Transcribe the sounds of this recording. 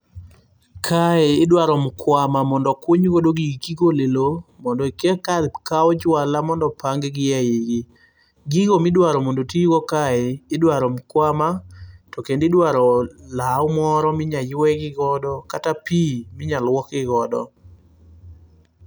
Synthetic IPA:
kʰaɛɪdwaɾɔmkwamamɔndɔkwoɲɡodoɡiɡkiɡolelomɔndɔkɛkadkaɔd͡ʒwalamɔndɔpaŋɡɡɪjajeɡɪ | ɡɪɡomɪdwaɾɔmondotiɡɔkaɛːdwaɾɔmkwamatɔkendɪdwaɾɔlaɔmɔɾɔmɪɲajwɛɡɪɡɔdɔkatapimɪɲalwɔkɪɡɔdɔ̰

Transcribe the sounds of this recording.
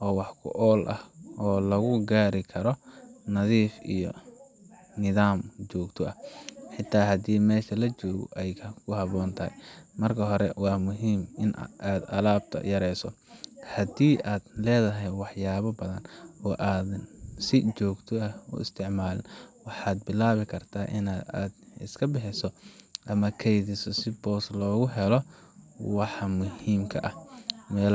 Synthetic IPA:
ʔɔːwɑħkʰʊ̰ʔɔːlʔɐ̰hʔɔːlɐɣʊɡaːɾɪkʰɐɾɔnɐðiːfḭjɔ̰ | nɪðaːmt͡ʃɔːɡt̪ʰɔʔɐħɪt̪ʰːaːɦɐd̪iːmɛːʃɐlɐt͡ʃɔːɣɔ̰ʔɛjkʰɐkʰʊɦɑβɔːnt̪ʰɐɛ̰mɐrkʰɐɦɔɾɛwɑːmʊɦiːmʔɪnʔaːd̪ɐ̰laːb̚t̪ʰɐ̰jɐɾɛjsɔ̰ | hɐd̪iːʔaːd̪lɛːðɐɦɛjwɑħjaːβɐbɐðɐnɔːʔaːðnsɪt͡ʃɔːɡt̪ʰɔɐʊ̰ʔɪ̰st̪ʰɪʕmaːlɪ̰nwɑħɑːd̪̚bɪlaːβɪkʰɐrt̪ʰaːʔɪnaːaːd̪ɪ̰skʰɐbɛħɪsɔʔɐmɐkʰɛjðɪsɔsɪbɔːslɔːɣʊɦɛlɔ | wɑħɑmʊhiːmkʰɐʔɐhmɛːl

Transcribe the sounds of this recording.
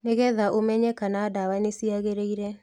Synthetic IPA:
neɣɛðaʔomɛɲɛkanaːdawanesiaɣeɾeiɾɛ

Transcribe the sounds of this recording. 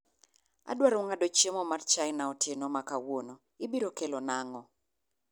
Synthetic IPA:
a̰dwaɾʊŋadot͡ʃemomart͡ʃajɪnaɔtjenomakawono | ɪbiɾokelonaŋɔ

